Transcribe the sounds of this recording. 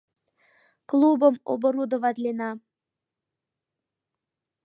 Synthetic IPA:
klˠubəmo̰bə̆ɾud̪ə̆vɑd̪lʲenɑ

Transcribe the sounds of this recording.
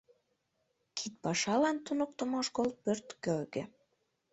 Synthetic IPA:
kʰit̪̚pɑʃɑlɑnt̪unok̚t̪ə̆moʃkol̚pørt̪køɣe

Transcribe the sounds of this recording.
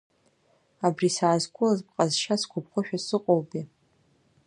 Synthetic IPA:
abrisaːzkʷʼʊlazp̚qʼazʃaskʷʰʊp̚ʰχʷʊʃᶣasɨqʼolbʼi

